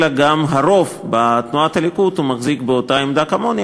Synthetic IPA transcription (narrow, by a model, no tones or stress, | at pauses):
laɡamɦaɾo̞fbat̪nuat̪alikut̪humaχzikbeot̪aemd̪akamon